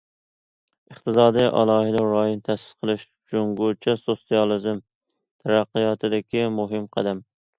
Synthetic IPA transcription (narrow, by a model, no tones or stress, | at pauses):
ɨχt̪ɨsɑːd̪ɨjʔɑ̰lˠɑːɦɪd̪ɪɾɑːjont̪ʰɛsɪ̥sqʰəlˠɪʃ | d͡ʒoŋɡot͡ʃʰɛsosijɑlˠɨzɨm | t̪ʰæɾæqːɨjɑt̪ʰɨd̪ɪkʲimʊɦɪmqʰæ̰d̪æm